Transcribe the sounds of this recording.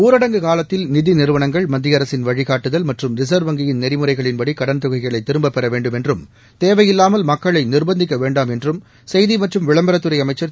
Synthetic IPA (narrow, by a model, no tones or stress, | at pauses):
uːɾɐɽɐŋɡɯkaːlɐt̪ːɪlnɪðinɪɾɯʋɐnɐŋɡɐɭmɐd̪ːɪjɐɾɐsɪnʋɐɻɪɣaːʈːɯðɐlmɐʈrɯmɾɪs̬ɐːɾʋɐŋɡɪjɪnnɛɾɪmɯrɐɪɣɐɭɪnpɐɽikɐɽɐnt̪ʊɣɐɪɣɐɭɐɪt̪ːɪɾɯmbɐpːɛɾɐʋeːɳɖɯmɛndrɯm | t̪eːʋɐjɪlːaːmɐlmɐkːɐɭɐɪnɪrbɐnd̪ɪk̬ːɐʋeːɳɖaːmɛndrɯm | sɛjðimɐʈrɯmʋɪɭɐmbɐɾɐt̪ːɯɾɐɪɐmɐɪt͡ʃːɐɾ